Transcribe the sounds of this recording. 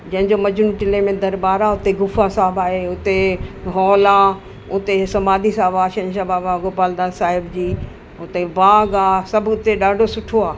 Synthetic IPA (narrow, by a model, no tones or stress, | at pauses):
d͡ʑɐ̃ɦɪ̃ɲd͡ʑomɐd͡ʑnũʈɪlemẽd̪ɐɾbaːɾaɦʊt̪eɡʊfasaːbaːɦeʊt̪eɦɔːlaː | ʊt̪esɐmaːd̪isaːbaːʃɐ̃ɲʃabaːbaɡoːpaːld̪aːnsaːɦɪbd͡ʑiː | ʊt̪ebaːɡaːsɐbʱʊt̪eɗaːɖʱosʊʈʰoaː